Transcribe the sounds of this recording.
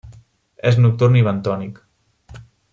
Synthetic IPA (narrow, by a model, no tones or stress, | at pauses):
eznuk̚t̪urniβənt̪ɔnik